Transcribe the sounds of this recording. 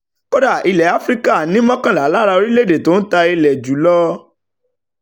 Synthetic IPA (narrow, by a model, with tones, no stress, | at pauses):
ko˦da˦˨i˧lɛ˨˦a˨˦fɾi˦ka˦˨nĩ˦mɔ̃˦kã˦˨la˨˦la˦ɾa˧o˧ɾi˦le˦˨de˨to˨˦n̩˦ta˧i˧lɛ˨d͡ʒu˨˦lɔ˦